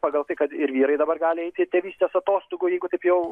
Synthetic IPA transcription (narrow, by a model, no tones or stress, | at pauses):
pɑːɡɐlˠt̪ɐɪkɐt̪ɪɾʋʲiːɾɐɪd̪ɐbɐrɡɑːlʲɪɛɪt̪ʲɪt̪ʲeːʋʲiːsʲt̪ʲeːsɐt̪oːst̪oɡʊːjɛɪɡʊt̪ɐɪpjɛʊ